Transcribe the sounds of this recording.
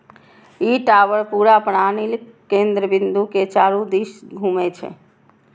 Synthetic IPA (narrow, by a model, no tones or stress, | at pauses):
iʈaʋəɾpuɾapəɽanilkẽnd̪ɾəbɪ̃nd̪uket͡ʃaːɾud̪iʃɡʱuːmet͡ʃʰɛ̰